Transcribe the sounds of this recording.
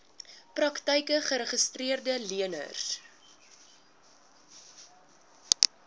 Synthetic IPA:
prɐktɛjkəχəɾəχəstriərdəliənə̰rs

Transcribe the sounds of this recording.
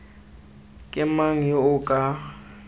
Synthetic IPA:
kʼɪmaŋ̩joʊkʼa

